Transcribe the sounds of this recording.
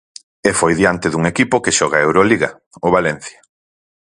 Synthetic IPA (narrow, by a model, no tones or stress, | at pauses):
efojðiant̪ɪðuŋekipʊkeʃɔɣ̞aewɾoliɣɐ | oβalɛn̟θjḁ